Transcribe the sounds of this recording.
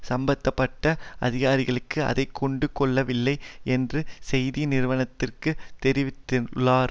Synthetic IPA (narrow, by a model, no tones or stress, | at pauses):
sɐmbɐt̪ːɐpːɐʈːɐʔɐðɪɣaːɾɪɣɐɭɯkːɯɐ̰ðɐɪkːɔɳɖɯkɔɭːɐʋɪlːɐɪʔɛndrɯsɛjðinɪɾɯʋɐɳɐt̪ːɪrkɯt̪ɛɾɪʋɪt̪ːɯnlaːɾ